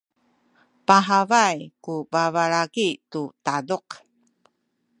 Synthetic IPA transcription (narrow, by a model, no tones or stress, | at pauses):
paɦavajkubavaɾaɡitutaduq